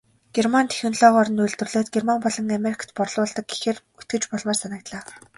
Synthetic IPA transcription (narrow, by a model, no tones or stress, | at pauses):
ɡ̥ermant̪ʰe̥xʲɵnɮɔːʁɔɾɞ̆nujɮt̪ɵ̆rɮoːt̪̚ɡermampɔɮɞ̆ŋameɾikʰḁt̪pɔrɮʊːɮt̪ə̆k̚ɡe̥xer | ut̪̚ɡ̥ɘ̆t͡ɕpɔɮmaːrsanə̆k̚t̪ɮaː